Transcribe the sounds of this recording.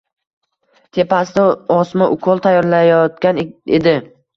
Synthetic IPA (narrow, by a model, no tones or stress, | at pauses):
t̪ʰe̞pʰasɪd̪aɒsmaʔʊkʰɒlˠt̪ʰajɒɾlajɒt̪kʲaned̪ɪ